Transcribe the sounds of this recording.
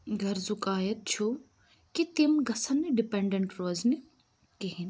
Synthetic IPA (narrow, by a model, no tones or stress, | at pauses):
ɡʱɐɾzʊkaːjɐt̪̚t͡ʃʰu | kit̪imɡɐsɐnːiɖɪpeːɳɖeɳʈɾoːzni | kiɦin